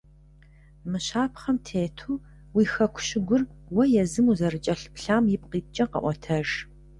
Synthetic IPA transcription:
mɨɕaːpʰχɐmtʰeːtʰuː | wiːxɐkʷʰʊ̥ɕɪɡʷʊrwɐjɛzɨmuzɐrɨt͡ʃʼɐɬpɬaːmjɪp̚qiːt͡ʃʼɐqɐ̰ʔʷɔtʰɐʒ

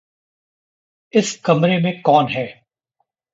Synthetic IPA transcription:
ɪskɐmɾemẽkɔːnɦɛː

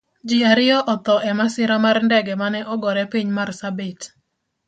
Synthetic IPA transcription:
d͡ʒɪaɾɪɔʔɔt̪ɔʔɛmasɪɾamarndɛɡɛmanɛʔɔɡɔɾɛpiɲmarsabɪt

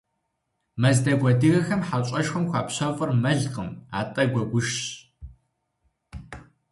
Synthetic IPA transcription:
mɐzdɐɡʷɐdɨɣɐxɐmħat͡ʃʼɐʃxʷɐmxʷaːpɕɐfʼɨrmɐɮqəma̰ːtʼɐɡʷɔɡʷʊʃɕ

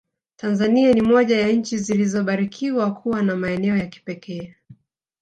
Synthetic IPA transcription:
tʰanzanianimɔʄajaɲ̩t͡ʃizilizɔɓaɾikʰiwakʰuwanamaɛnɛɔjaki̥pɛkʰɛː

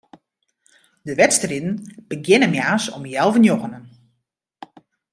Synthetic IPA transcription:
dəʋɛtstərɪdn̩b̥əɡjɪnəmjaːsɔ̰mjɛlˠvənjoɣənən

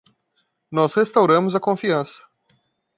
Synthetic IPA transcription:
nɔshest̪awɾɐ̃mʊzɐkõfiɐ̃sɐ̥

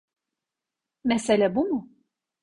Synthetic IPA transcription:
mɛselʲæbumʊ

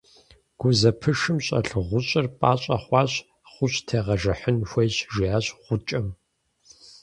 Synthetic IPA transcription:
ɡ̥ʷʊzɐpʰɨʂɨmɕʼɐ̰ɬɨʁʷʊɕʼɪrpʼaːɕʼɐχʷɑːɕ | χʷʊɕtʰeːʁɐʒɐħənxʷejɕʒiaːɕʁ̥ʷʊt͡ʃʼɐm

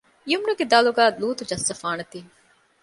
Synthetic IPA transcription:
iumnuɡed̪aːluɡaːluːt̪ud͡ʒɐsːɐfaːnɐt̪iː

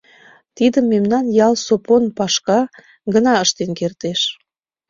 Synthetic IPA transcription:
t̪id̪əmːemnɑnjɑlsoponpɑʃkɑ | ɡənɑəʃt̪enkert̪eʃ

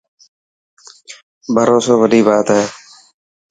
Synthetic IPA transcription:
bʱəɾoːsoːbəɖiːbaːt̪ɦɛː

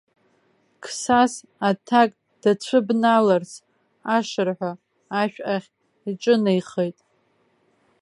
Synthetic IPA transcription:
kʰsas | atʰakʼ | d̥at͡ɕʷʰɨbnalars | aʂɨrħʷaː | ʃᶣʔaχʲ | iʈ͡ʂʼɨnajχejtʼ

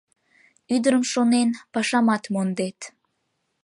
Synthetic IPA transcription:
yd̪əɾəmʃonenpɑʃɑmɑt̪mond̪et̪

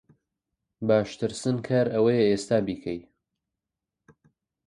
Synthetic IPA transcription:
baːʃt̪ɨɾsɨnkʰaːɾɐwɐjɛeːst̪aːbiːkʰɐj

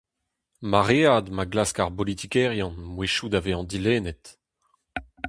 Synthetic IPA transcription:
maʁead̪maɡlaskaʁbɔlit̪ikɛʁjɑ̃nmweʃud̪aveɑ̃d̪ileːnɛt̪

